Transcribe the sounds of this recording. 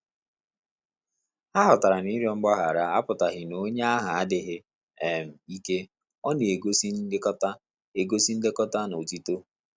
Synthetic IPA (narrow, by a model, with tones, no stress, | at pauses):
a˦ɦɔ˨ta˨ɾa˨ni˦ɾjɔ˦ŋ͡m̩˦ɡ͡ba˦ɦa˨ɾa˦a˦pʊ˨ta˨ɦɪ˨no˦ɲ˦a˦ɦa˨a˦dɪ˨ɦɪ˦ | e˨m̩˨i˦ke˦ | ɔ˦n˨e˨ɡo˦si˦kɔ˦ta˦ | e˨ɡo˦si˦n̩˦dɪ˦kɔ˦ta˦no˨ti˦to˦